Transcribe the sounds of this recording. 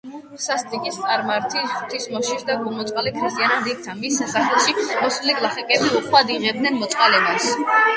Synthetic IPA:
sast̪ʼikʼist̪sʼaɾmaɾt̪ʰiχt̪ʰismɔʃisd̪aɡɔmɔt̪sʼqʼalikʰɾist̪ʼianad̪ik̚t̪ʰanmisːasaχɛlˠʃimɔsliɡlˠaχɛkʼɛbiuχwad̪iʁɛb̚d̪nɛnmɔt̪sʼqʼalɛbas

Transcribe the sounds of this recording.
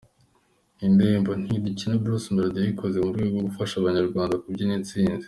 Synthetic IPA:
indeːmbo̞n̥hidicinabɾusmaɾdaβikʰo̞ze̞muɾɡweːɡwo̞ɡufaʃaβaɲaɾɡwaːndakubɟinit͡siːnzi̥

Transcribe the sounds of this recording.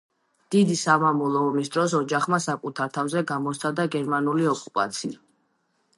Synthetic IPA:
d̪̥id̪isamamɔlˠɔɔmisd̪ɾɔs̬ɔd͡ʒaχmasakʼut̪ʰaɾt̪ʰavzɛɡamɔst̪sʰad̪aɡɛɾmanuliɔkʼupʼa̰t̪sʰia

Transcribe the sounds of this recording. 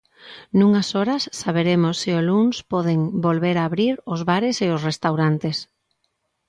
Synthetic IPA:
nũŋasɔɾɐsːaβeɾemosːɪʊlunspɔðeŋbolβeɾaːβɾiɾʊzβaɾeseʊsrest̪awɾant̪es

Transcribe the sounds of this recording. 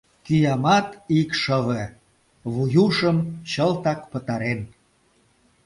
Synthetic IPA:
kyjɑmɑt̪ikʃəβe | βujuʃəmt͡ɕəlt̪ɑkpə̆t̪ɑɾen

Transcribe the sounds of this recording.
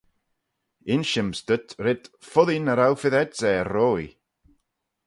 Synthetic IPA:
ɪnʃɪmstətʰɾɪd̥fʊðinəɾawfɪðɛdzɛrɔːj

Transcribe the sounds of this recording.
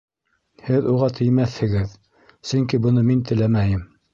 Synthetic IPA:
hɘðuʁɑt̪ʰɘ̆jmæθhɘ̆ɡɘð | sɵŋkibɤ̆nɤmint̪ɘ̆læmæjɘm

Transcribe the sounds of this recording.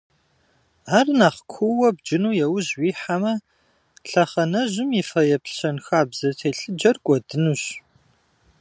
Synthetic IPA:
aːrnaːχkʷʰʊwɐb̚d͡ʒɪnuːjɛwʊʑwiːħamɐ | ɬɐχɐnɐʑɪmifɐjɛpɬɕɐnxaːbzɐtʰeːɬɨd͡ʒɐrɡʷʼɔdɨnuːɕ

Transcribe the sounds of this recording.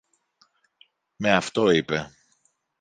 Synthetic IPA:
me̞ɐft̪o̞ipe

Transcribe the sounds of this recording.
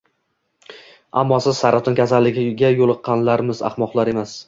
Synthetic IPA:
a̰mːɒsɪz̥saɾat̪ʰʊnkʲʰasalːɪɡʲɪɡʲajolˠɨqʰːɑnlaɾmɪza̰χmɒqlˠaɾe̞mas

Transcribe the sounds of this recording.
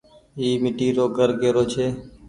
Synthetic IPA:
iːmɪʈiːɾoːɡəɾɡeːɾoːt͡ʃʰeː

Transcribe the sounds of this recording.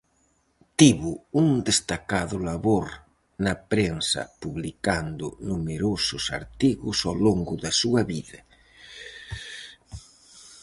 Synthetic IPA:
t̪iβʊuŋd̪est̪akaðʊlaβoɾ | nɐpɾensɐ̰puβlikand̪ʊ̰numeɾosʊsa̰ɾt̪iɣʊsawloŋɡʊðɐsuɐβiðɐ

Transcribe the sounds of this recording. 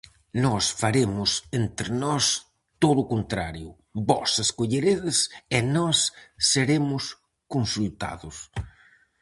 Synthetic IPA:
nɔsfaɾemʊsent̪ɾenɔs | t̪oðʊkont̪ɾa̰ɾjʊ | bɔseskoʎeɾeðɪsenɔsːeɾemʊs | konsult̪a̰ðʊs

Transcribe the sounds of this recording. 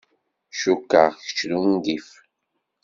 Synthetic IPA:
ʃukːa̰ʁçə̥t͡ʃlund̪if

